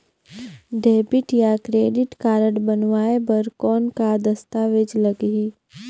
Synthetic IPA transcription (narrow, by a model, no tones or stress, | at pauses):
ɖeːbɪʈjakɾeːɖɪʈkaːɾəɽbənʋaːebəɾkɔːnkad̪əst̪aːʋed͡ʒləɡɦi